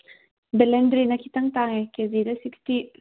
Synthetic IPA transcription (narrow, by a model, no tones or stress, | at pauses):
bɛlɛndɾinakʰit̪ɐŋt̪aŋekezidəsiksti